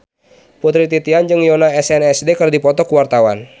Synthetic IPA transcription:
put̪ɾit̪it̪iand͡ʒɨŋjɔnaɛsɛnɛsdekərdipɔt̪ɔkuwart̪awan

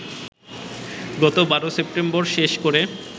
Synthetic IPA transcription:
ɡɔt̪obaɾosepʈembɔɾʃeʃkoɾe

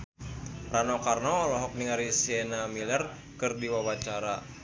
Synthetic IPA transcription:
ranɔkarnɔlɔɦɔk̚niŋaɾisiɛnamilɛr | kɨrdiwawat͡ʃaɾa

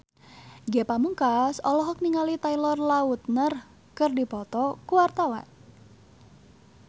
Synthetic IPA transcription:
ɡepamuŋkasɔlɔɦɔk̚niŋalit̪ailɔrlaut̪̚nər | kərdipɔt̪ɔkuwart̪awa̰n

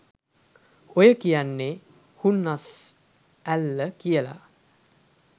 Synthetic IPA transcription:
ojəkijanːe | hunːas | ælːəkijəla̰

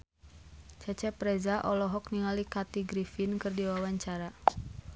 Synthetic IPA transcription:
t͡ʃat͡ʃɛpɾɛzaʔɔlɔɦɔk̚niŋalikat̪iɡɾifinkɨrdiwawaɲt͡ʃaɾa

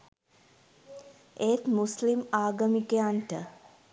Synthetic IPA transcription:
ʔeːt̪muslimaːɡəmikejaɳʈə

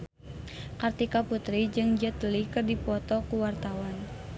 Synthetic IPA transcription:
kart̪ikaput̪ɾid͡ʒɨŋd͡ʒət̪əlikɨrdipɔt̪ɔkuwart̪awan

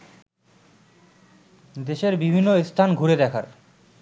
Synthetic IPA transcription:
d̪eʃeɾbibʱinːoest̪ʰanɡʱuɾed̪ɛkʰaɾ

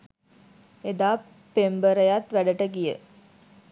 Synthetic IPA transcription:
ed̪aː | pːembəɾəjat̪ʋæɖəʈəɡijə̰

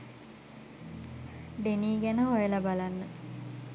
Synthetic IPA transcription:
ɖeniːɡænəɦojəlabalanːə

